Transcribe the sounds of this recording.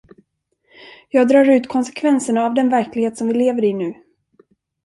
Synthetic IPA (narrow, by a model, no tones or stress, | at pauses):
jɑːɡ̚d̪ɾɑːɾʉ̟ːt̪kʰɔnsɛ̥kʰvɛnsəɳaːvd̪ɛnvæɾklɪɡheːt̪sɔmvɪleːvəɾɪnʉ̟ː